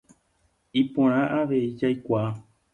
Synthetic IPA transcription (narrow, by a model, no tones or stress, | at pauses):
ipõɾ̃ãʔaʋe̞id͡ʒajkʷaː